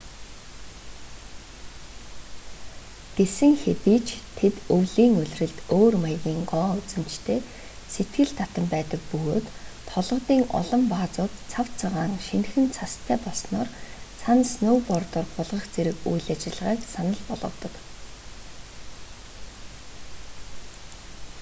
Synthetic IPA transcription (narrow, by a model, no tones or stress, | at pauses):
ɡ̥esɘ̆ŋxet̪iːt͡ɕʰt̪ʰet̪ɵwɮiːŋɵɮʲrɘ̆ɮt̪oːrmajɣʲiːŋɢɔːɵt͡sɘ̆m̥t͡ɕt̪ʰeː | set̪ɡɘ̆ɮt̪ʰat̪ə̆mpæːt̪ə̆k̚pɵɣoːt̪ʰːɔɮʁə̆t̪iːŋɔ̰ɮɞ̆mpaːt͡sʊːt̪t͡sʰaw̥t͡saʁaːŋʃinxɘ̆nt͡sʰast̪ʰæːpɔɮsnɔːrsʰansnoːwpɔrt̪ɔrɢʊɮʁə̆χt͡seɾɘ̆kujɮat͡ɕɪ̆ɮʁiːksanə̆ɮpɔɮʁɞ̆wt̪ɞ̆k